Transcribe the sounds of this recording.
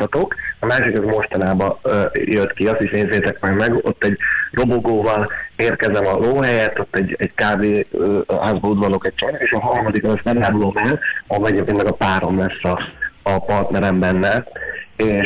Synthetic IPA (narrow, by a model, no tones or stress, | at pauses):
ɒt̪o̞kɒmaːʃikɛzmo̞ʃt̪ɒnaːbɒjøt̪kiɒst̪iʃneːzeːt̪ɛkmɛlmɛɡo̞̰t̪ːɛɟro̞boɡoːvɒleːrkɛzɛmɒloːɦɛjɛt̪ːo̞t̪ːɛɟːɛɟkaːveːɦaːzbɒud̪vɒlokɛc̚t͡ʃonɒeːʃɒɦɒrmɒd̪ikɒnɛst̪nɛlaːɾulo̞mɛlɒmɛɟɛkenːɛkɒpaːɾo̞mlɛsːɒːpɒrt̪nɛɾɛmbɛnːɛeː